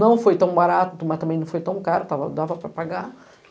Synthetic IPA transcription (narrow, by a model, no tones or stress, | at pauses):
nɐ̃w̃fojt̪ɐ̃w̃baɾat̪ʊt̪umɐst̪ɐmẽj̃nɐ̃w̃fojt̪ɐ̃w̃kaɾʊt̪avɐ̰d̪avɐpɾɐpaɡa